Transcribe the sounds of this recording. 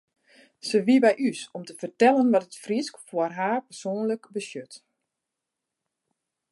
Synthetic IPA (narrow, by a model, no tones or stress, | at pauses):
səʋibɛjʔysɔmtəfərtɛlənʋɔtətfriskfʊərɦaːrpərsoːənləkbəsjøt